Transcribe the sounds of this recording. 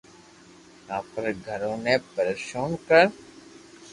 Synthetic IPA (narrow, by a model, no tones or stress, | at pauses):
aːpəɾɡʱəɾõːnepəɾəʃoːnkəɾ